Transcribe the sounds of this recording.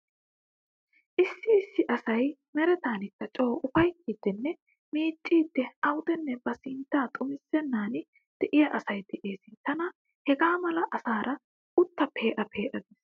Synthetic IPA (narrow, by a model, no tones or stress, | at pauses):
ʔɪsːɪːsːɪʔɐsɐjmɛɾɛt̪aːnɪt̪ːɐt͡ʃʼo̞ːʔʊfɐjkːid̪̥ːɛnːɛ | miːt͡ʃʼːiːd̪̥ːɛʔɐwʊd̪ɛnːɛbɐsɪnt̪ːaːt̪ʼʊmɪsːɛnːaːnɪ | d̪̥ɛʔɪjɐʔɐsɐjd̪ɛʔe̞ːsɪt̪ɐnɐ | hɛɡaːmɐlɐʔɐsaːɾɐ | ʔʊt̪ːɐpʰe̞ːʔɐpʰe̞ːʔɐd̪eːs